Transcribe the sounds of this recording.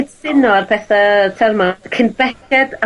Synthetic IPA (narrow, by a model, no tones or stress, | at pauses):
d̥sɪnɔarpʰɛθatʰɛrmakʰɪnbɛkɛd̥a